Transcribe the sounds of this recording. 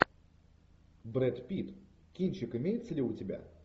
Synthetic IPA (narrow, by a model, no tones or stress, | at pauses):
bɾɛt̪pʲit̪ | kʲinʲt͡ɕɪkɨmʲejɪt̪səlʲɪʊtʲɪbʲa̰